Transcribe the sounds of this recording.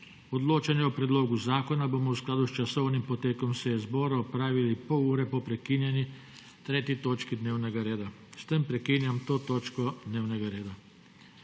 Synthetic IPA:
ɔd̪loːt͡ʃanjɛɔpɾɛd̪loːɡuzaːkɔnaboːmɔwsklaːd̪ust͡ʃasɔwnimpɔt̪eːkɔmsejɛzbɔːɾaɔpɾaːʋilipɔwuːɾɛpɔpɾɛkiːnjɛnji | t̪ɾeːt̪it̪oːt͡ʃkid̪neːwnɛɡaɾeːd̪a | st̪əmpɾɛkiːnjamt̪oːt̪oːt͡ʃkɔd̪neːwnɛɡaɾeːd̪a

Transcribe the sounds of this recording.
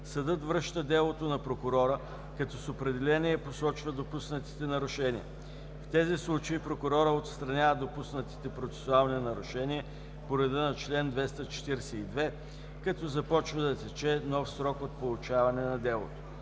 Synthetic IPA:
sɐd̪ɤt̪vɾɤʃt̪əd̪ɛlˠot̪onɐpɾokʊɾɔɾə | kɐt̪ɔsopɾɛd̪ɛlɛniɛposɔt͡ʃvəd̪opusnət̪i̥t̪ɛnɐɾʊʃɛnḭə̰ | ft̪ɛzislˠut͡ʃeipɾokʊɾɔɾəot̪st̪ɾɐnʲavəd̪opusnət̪i̥t̪ɛpɾot̪sɛ̥sʊalˠninɐɾʊʃɛniɛ | poɾɛd̪ənɐt͡ʃlɛnd̪vɛst̪ət͡ʃɛ̥t̪iɾsɛid̪vɛ | kɐt̪ɔzɐpɔt͡ʃvəd̪ɐt̪ɛt͡ʃɛnɔfsɾɔkot̪̚polˠut͡ʃavɐnɛnɐd̪ɛlˠo̰t̪o̥

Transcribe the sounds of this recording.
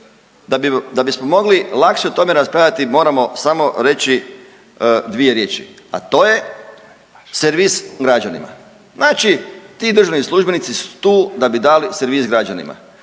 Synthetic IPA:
ad̪abismomo̞ɡlilˠakʃeut̪o̞meɾaspɾad̪at̪imo̞ːɾamo̞samo̞ɾe̞t͡ʃi | d̪ʋie̞ɾje̞ːt͡ʃḭa̰t̪o̞ːje̞ | seɾʋisɡɾad͡ʒanḭma̰ | znaːt͡ʃit̪iːd̪ɾr̩ʒanislˠuʒbenit̪sisu̥t̪uːd̪abid̪aliseɾʋiːzɡɾad͡ʒanḭma̰

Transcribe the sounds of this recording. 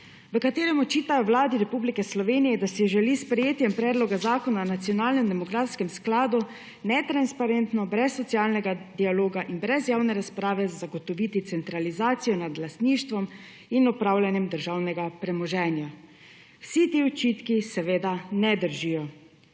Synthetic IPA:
ʋəkat̪eːɾɛmɔt͡ʃiːt̪ajɔwlaːd̪iɾɛpublikɛslɔʋeːnijɛd̪asiʒɛlispɾɛjeːt̪jɛmpɾɛːd̪lɔɡazaːkɔnanat̪sijɔnaːlnɛmd̪ɛmɔɡɾaːt̪skɛmsklaːd̪u | nɛt̪ɾanspaɾɛnt̪nɔbɾɛsːɔt̪siaːlnɛɡad̪ialoːɡaʔinbɾɛzjaːwnɛɾaspɾaːʋɛzzaɡɔt̪ɔʋit̪it̪sɛnt̪ɾalizaːt̪sijɔnad̪last̪niːʃt̪ʋɔm | inɔpɾaːwljanjɛmd̪əɾʒaːwnɛɡapɾɛmɔʒɛːnja | wsit̪iɔt͡ʃiːt̪kisɛʋeːd̪anɛd̪əɾʒiːjɔ

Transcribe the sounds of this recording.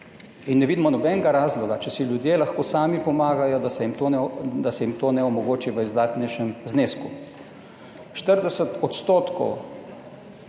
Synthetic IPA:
inːɛʋid̪mɔnɔbɛnɡaɾaːzlɔɡat͡ʃɛsiljud̪jelaxkoːsaːmipɔmaːɡajɔd̪asɛimt̪od̪asɛjimt̪oːnɛɔmɔɡoːt͡ʃiʋəizd̪aːt̪nɛjʃɛmzneːsku | ʃt̪əɾd̪ɛsət̪ɔt̪st̪oːt̪kɔ̰w

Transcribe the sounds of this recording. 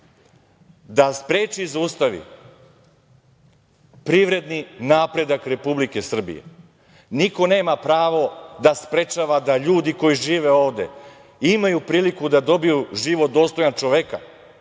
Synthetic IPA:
d̪aspɾe̞ːt͡ʃizuːst̪aʋḭ | pɾiʋɾe̞d̪ninaːpɾe̞d̪akɾe̞publike̞sr̩bḭjḛ | niko̞ne̞ːmapɾaːʋo̞d̪aspɾe̞t͡ʃaʋad̪aʎuːd̪iko̞jiʒiːʋe̞o̞ːʋd̪e̞̰ | imajupɾiːlikud̪ad̪o̞bijuʒiʋot̪̚d̪o̞ːst̪o̞jant͡ʃo̞ʋeka

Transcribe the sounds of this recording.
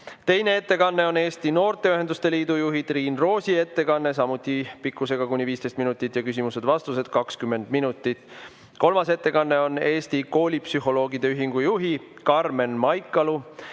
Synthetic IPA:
t̪e̞jne̞e̞t̪ːe̞kɑnːe̞o̞ne̞ːst̪ino̞ːrt̪e̞yɦe̞nd̪̥ust̪e̞liːd̪ujuɦit̪riːnro̞ːsʲie̞t̪ːe̞kɑnːe̞s̬ɑmut̪ˑːipikːˑuse̞ɡ̥ɑkunʲːiviːst̪e̞jst̪minut̪ːˑit̪ːˑjɑkysimuse̞d̪̥vɑst̪use̞d̪̥kɑkskymːe̞nd̪̥minut̪ːˑit̪ːˑ | ko̞lmɑse̞t̪ːe̞kɑnːe̞o̞ne̞ːst̪iko̞ːlʲipsyɦo̞lo̞ːɡid̪̥e̞yɦiŋɡ̥ujuɦikɑrme̞nmɑjkːˑɑlu

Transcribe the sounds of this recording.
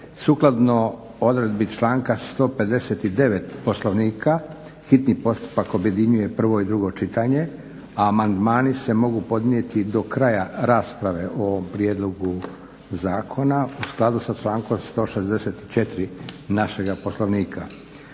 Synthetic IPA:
suklˠad̪no̞ | o̞d̪ɾe̞d̪bit͡ʃlˠaːŋkast̪o̞ːpe̞d̪e̞set̪id̪e̞ʋe̞t̪po̞slˠo̞ʋniːkʰa | xit̪nipo̞st̪u̥pako̞bje̞d̪iɲuje̞pr̩ʋo̞id̪ɾuɡo̞t͡ʃit̪aɲe̞ | aːmand̪maːnise̞mo̞ɡupo̞d̪nije̞t̪id̪o̞kɾajaɾaːspɾaʋe̞ʔo̞ompɾje̞d̪lo̞ɡu | zaːkʰo̞nausklˠad̪usat͡ʃlˠaːŋko̞mst̪o̞ːʃe̞zd̪e̞set̪i̥t͡ʃe̞t̪ɾinaʃe̞ɡapo̞slo̞ʋniːkʰa̰

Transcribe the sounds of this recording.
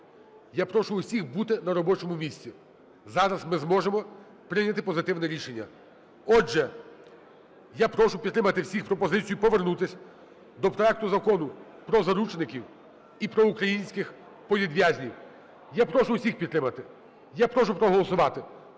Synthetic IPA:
japɾɔʃʊʊsʲixbut̪ɪnɐɾɔbɔt͡ʃɔmʊmʲisʲt͡sʲi | zɑɾɐzmɪzmɔʒemɔ | pɾɪjnʲɐt̪ɪpɔzɪt̪ɪwnɛɾʲiʃenʲːɐ̰ | ɔʒɛ | japɾɔʃʊpʲid̪t̪ːɾɪmɐt̪ɪwsʲixpɾɔpɔzɪt͡sʲijʊpɔʋernut̪ɪsʲɐ | d̪ɔpɾɔɛk̚t̪ʊzɐkɔnʊ | pɾɔzɐɾut͡ʃnɪkʲiw | ipɾɔukɾɐjinʲsʲkɪx | pɔʋʲid̪ʋʲjazʲnʲiw | japɾɔʃʊʊsʲixpʲit̪ːɾɪmɐt̪ɪ | japɾɔʃʊpɾɔɦɔlˠɔsʊʋɑt̪ɪ

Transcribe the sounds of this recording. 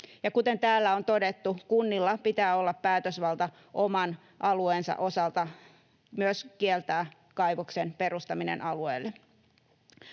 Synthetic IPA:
jɑkut̪ent̪æːlːæont̪odet̪ːukunːilːɑpit̪æːolːɑppæːt̪øsʋɑlt̪ɑ | ʔomɑn | ʔɑlueːnsɑ̰ʔo̞sɑlt̪ɑ | myøskielt̪æː | kɑjʋoksenperust̪ɑminḛnʔɑlueːlːe

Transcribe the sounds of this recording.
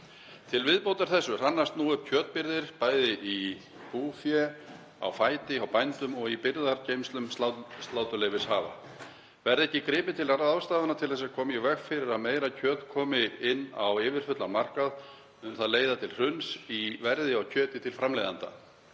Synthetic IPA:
t̪ʰɪlvɪðpowt̪aɾ̥θɛsːʏr̥anːast̪nuːʏp̚cʰœːt̪̚pɪɾðɪɾ̥paːjðɪʔi | puːfjɛ | a̰wfaːjt̪ɪawpajnt̪ʏmɔɣipɪɾðaɾcejmst̪lʏmsast̪laːwt̪ʏleːjvɪshaːva̰ | vɛɾðɛhcːɪkɾɪːpɪt̪ʰɪlaɾðawst̪aːðanat̪ʰɪlθɛsːakʰɔːmjɛvɛxfɪɾɪɾaðmeːjɾacʰœːt̪kʰɔːmɪɪnːa̰wɪːvɪɾ̥fʏt̪lanmar̥kað | ʏnθaðleːjðat̪ʰɪlr̥ʏnsivɛɾðɪawcʰœːt̪ɪt̪ʰɪlfɾamlejðant̪a̰

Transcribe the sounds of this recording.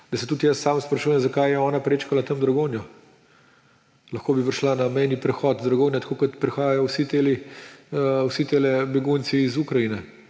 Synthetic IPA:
d̪ɐsɛt̪ut̪jəsːaːmspɾɐʃuːjɛmzakajjɛɔːnapɾeːt͡ʃkalat̪əmd̪ɾɐɡoːnjɔ | lɐxkoːbipɾiʃlanamɛjnipɾɛxɔːt̪d̪ɾɐɡoːnjat̪ɐ̥koːkɐt̪pɾixaːjajɔwsit̪eli | wsit̪eːlɛbɛɡunt̪siːzukɾɐjinɛ

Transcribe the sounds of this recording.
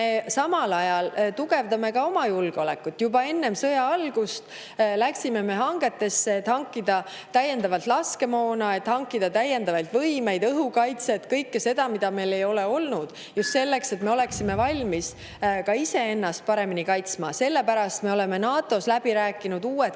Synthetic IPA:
esɑmɑlɑjɑlt̪uɡ̥e̞vd̪ɑme̞kɑo̞mɑjulɡ̥eo̞le̞kːˑut̪ːjubɑe̞nːe̞msɤjɑɑlɡ̥ust̪ | læksime̞me̞ɦɑŋɡ̥e̞t̪ːe̞sːeːt̪hɑŋkˑːid̪ɑ | t̪æjːe̞nd̪ɑvɑlt̪lɑske̞mo̞ːnɑe̞t̪ːhɑŋkːid̪̥ɑt̪æjːe̞nd̪̥ɑvɑjlt̪vɤjme̞jd̪ɤɦukɑjt̪se̞t̪kɤjkːese̞d̪̥ɑmid̪̥ɑme̞jle̞jo̞le̞o̞lnud̪̥ | just̪se̞lːe̞kse̞t̪me̞o̞le̞ksime̞vɑlʲmis | kɑise̞e̞nːɑst̪̚pɑɾe̞minikɑjt̪smɑse̞lːe̞pæɾɑst̪me̞o̞le̞me̞nɑːt̪ːˑo̞slæb̥iɾæːkˑːinud̪uːet̪

